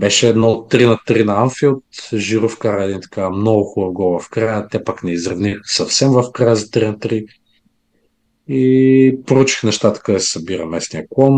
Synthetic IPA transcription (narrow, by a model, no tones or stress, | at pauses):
bɛʃɛɛd̪nɔot̪ːɾinət̪ɾinɐanfiot̪ʒiɾufkaɾəɛːd̪int̪ə̥kamnɔɡʊxʊbɐɡɔvɐfkɾajət̪ɛpaknɛizɾɐvnixsɐfsɛmvɐfkɾajəzət̪ɾinət̪ɾi | ipɾout͡ʃi̥xnɛʃt̪at̪ə̥kəɛssɐbiɾəmɛsniəkwˠɔn